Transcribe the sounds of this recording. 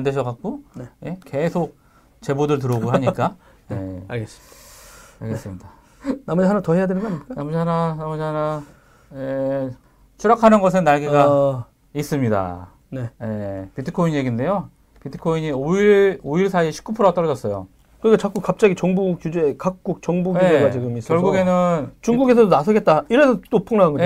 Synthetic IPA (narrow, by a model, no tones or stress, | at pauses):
ndeɕ̬ʰʌkak̚k͈oneje̞ke̞sʰok̚ | t͡ɕe̞bodɯɭt̬ɯɾʌɡoɦaaɲiak͈a | je̞aɭɡes | a̰ɭɡes͈ɯmɲida | namʌd͡ʑiɦanatʌhe̞jadenɯnɡʌaɲimk͈anamʌd͡ʑɦananamʌd͡ʑɦana | je | t͡ɕʰuɾakʰanɯnɡʌs̬ʰenːaɭɡiɡa | is͈ɯmɲida̰ | ne̞je̞pitʰikʰoiɲje̞ɡinde̞jo | pitʰi̥kʰoiɲioiɾoiɭsʰaieɕʰi̥k͈upʰɯɾoat͈ʌɭd͡ʑʌs͈ʌjo̰ | kɯɾikʰat͡ɕak͈ukkap̚t͡ɕ͈aɡit͡ɕʌŋbukjud͡ʑekak̚k͈uk̚t͡ɕʌŋbuɡud͡ʑeɡat͡ɕiɡɯmis͈kjʌɭɡɡuɡe̞nɯnt͡ɕuŋɡuɡe̞s̬ʰʌdonasʰʌɡe̞t̚t͈aiɾe̞sʰʌt͈opʰɯŋnaɦaŋɡo